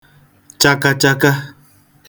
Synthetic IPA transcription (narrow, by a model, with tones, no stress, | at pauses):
t͡ʃa˦ka˧t͡ʃa˦ka˦